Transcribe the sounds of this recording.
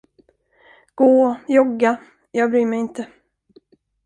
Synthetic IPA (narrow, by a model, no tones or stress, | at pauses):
ɡ̥oːjɔɡːa | jɑːɡbɾyːmɛjɪnt̪ə